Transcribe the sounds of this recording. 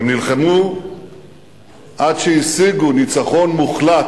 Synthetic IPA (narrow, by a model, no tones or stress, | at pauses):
mnilχemu | ʔadʃeisiɡunit͡saχo̞nmuχlat